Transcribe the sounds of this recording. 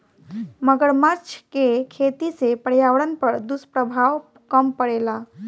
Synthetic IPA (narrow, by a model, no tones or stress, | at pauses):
məɡəɾmaɾt͡ʃʰkekʰet̪isepəɽjawɽənpəɾd̪uspɾəbʱaw | kəmpəɽela